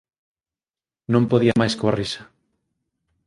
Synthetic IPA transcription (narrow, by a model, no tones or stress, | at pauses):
nõmpoðiɐmajskoa̰risɐ̥